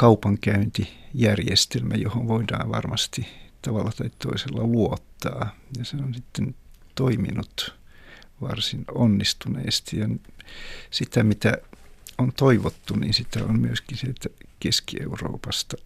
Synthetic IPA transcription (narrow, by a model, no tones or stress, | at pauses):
kɑupɑŋkæynt̪ijærjest̪elmæjohonʋoidɑ̰ːʋʋɑ̰rmɑst̪it̪ɑʋɑlːɑt̪ɑitt̪o̰iselːɑluot̪ːɑːjɑseonsit̪ːent̪oimḭnut̪ | ʋɑ̰rsinonːist̪unḛːst̪ɑjɑn | sit̪æmit̪æont̪oiʋot̪ːunḭnsit̪æo̰mmyøskisielt̪ækeskiḛuro̰ːpɑst̪ɑ